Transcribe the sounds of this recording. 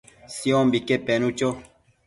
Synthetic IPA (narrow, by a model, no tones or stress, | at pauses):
siõmbikepenũt͡ʃo